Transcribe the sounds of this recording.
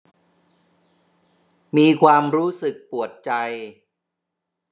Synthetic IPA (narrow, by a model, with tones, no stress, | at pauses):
miː˧kʰwaː˧mɾuː˦˥sɯ˨˩k̚pu˨˩ət̪̚t͡ɕa˧j